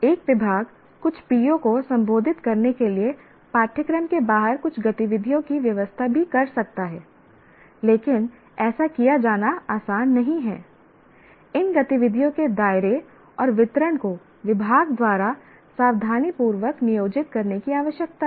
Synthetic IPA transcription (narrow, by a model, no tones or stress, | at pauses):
eːkʋɪbʱaːɡ | kʊt͡ʃʰpiːjõkosɐ̃mboːd̪ʱɪt̪kɐɾnekelie | paːʈʰɪkɾəmkebaːɦəɾkʊt͡ʃʰɡɐt̪ɪʋɪd̪ʱijõkiʋjɐʋəst̪ʰabʱikɐɾsɐk̚t̪aɦɛː | leːkɪn | ɛːsakijad͡ʒaːnaaːsaːnːɐɦĩɦɛː | ɪnɡɐt̪ɪʋɪd̪ʱijõked̪aːɪɾe | ɔːɾʋɪt̪ɾənko | ʋɪbʱaːɡd̪waːɾa | saːʋd̪ʱaːnipuːɾʋəknɪjoːd͡ʒɪt̪̚kɐɾnekiaːʋəʃjək̚t̪aɦɛ